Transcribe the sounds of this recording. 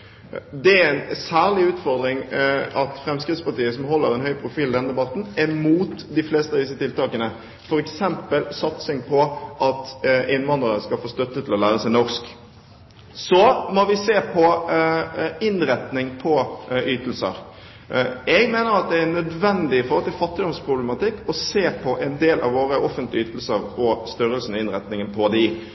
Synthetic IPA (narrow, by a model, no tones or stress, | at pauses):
d̪ɛæɾɛnsæːʁlɪʉːt̪fɔʁd̪ɾɪŋɑt̪fɾɛmskɾɪt̪spɑʈiːəsɔmɦɔlːəɾɛnhœʏpʰɾʊfiːld̪ɛnd̪ɛbɑt̪n̩ɛmuːt̪d̪ɪfleːst̪əɑʋd̪ɪsːət̪ʰɪlt̪ɑːkənə | fɔɾɛksɛmpəlsɑt̪sɪŋpʰɔʔɑt̪ɪnʋɑnd̪ʁənəskɑlfoːst̪œt̪ːət̪ʰɪlɔlæːɾəsæɪnɔʁsk | sɔmɔʋɪseːpʰɔ | ɪnɾɛt̪nɪŋpʰɔyːt̪əl̩sə̰ɾ | ɛɡmeːnəɾɑt̪̚d̪ɛænœd̪ʋɛnd̪ɪɪfɔɾhɔlt̪ʰɪlfɑt̪ːɪd̪ɔmspʰɾʊblɛmɑt̪ɪkːɔseːpʰɔʔɛnd̪eːlʔɑ̰ʋoːɾəʔɔfːənt̪lɪəyːt̪lsəɾɔst̪ʏɾəlsənɛɪnɾɛt̪nɪŋənpʰɔd̪ɪ